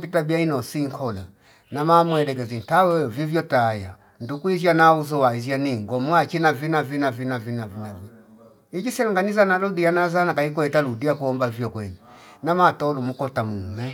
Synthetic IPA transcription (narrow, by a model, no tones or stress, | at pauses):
bitabiainɔsiŋkʰɔla̰ | namamwɛdɛɡɛzin̩tawɛvivjɔtaja | ndukuizjanauzɔwaizjaniŋɡɔmwat͡ʃinavinavinavinavinavinavi | id͡ʒisɛluŋɡanizanaludianazanakaik̬ɔɛtaludiakuɔmbavjɔkwɛni | namatɔlumukɔtamumɛ